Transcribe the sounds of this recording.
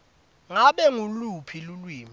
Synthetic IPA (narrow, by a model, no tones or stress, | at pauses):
ŋaɓɛŋulupʰilulwiːmi